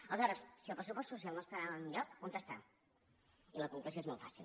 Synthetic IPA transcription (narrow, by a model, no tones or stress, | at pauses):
əlˠəzɔɾəssiəlˠpɾəsupɔst̪susialˠnost̪aanʎɔkːunt̪əst̪ɾa̰ | iləkuŋklusioezmɔlˠfasilˠ